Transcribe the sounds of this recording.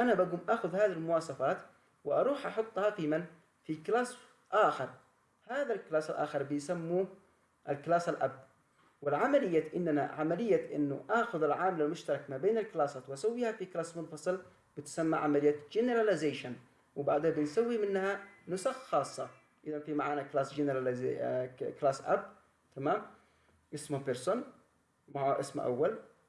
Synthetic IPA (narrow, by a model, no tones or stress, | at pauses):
ʔanabaɡuːmʔaːxʊðhaːðilmʊwɑːsˤɑfaːt̪ | wɪʔɑɾˤuːħʔɑħʊt̪ˤːhɑtiːman | fiklaːs | ʔaːxɪɾˤ | haːðalklaːsalʔa̰ːxɪɾˤbɪjsamːu | ʔalklaːsalʔabː | wɪlʕamalɪjːaʔɪnːana̰ʕamalɪjːaʔɪ̰nːʊ̰ʔaːxʊðɪlʕaːmɪlalmʊʃt̪ɑɾˤɑkmabeːnalklaːsaːt̪wʔasawːiːhafiklaːsmʊnfɑsˤɨl | b̥ɪt̪samːaʕamalɪjːat̪d͡ʒɪneɾˤalazeːʃan | wɪbaʕd̪habɪnsawːimɪnːhanʊsaxxɑːsˤːɑ | ʔɪðanfimaʕaːnaklaːsd͡ʒɪnɾal | klaːsʔa̰b | t̪ʰamaːm | ʔɪsmapɪɾsʊn | maʕaʔɪ̰smʔa̰wːal